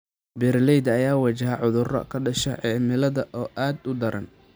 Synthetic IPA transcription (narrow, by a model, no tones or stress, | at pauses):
bɛrlɛjd̪ɐjaːwɐt͡ʃɐɦɐʕʊðʊrɐ̰kʰɐɖɐʃɐʕɛːmɪlɐðɐʔɔːʔaːd̪ʊd̪ɐɾʔɐ̰n